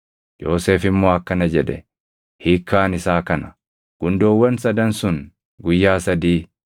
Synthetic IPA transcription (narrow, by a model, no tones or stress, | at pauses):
jo̞ːseːfɪmːoːɐkːɐnɐd͡ʒɛᶑ̪ɛ̰ | hiːkʰːaːnɪsaːkɐnɐ | ɡ̥ʊnd̪oːwːɐnsɐd̪ɐnsʊn | ɡʊjːaːsɐd̪iː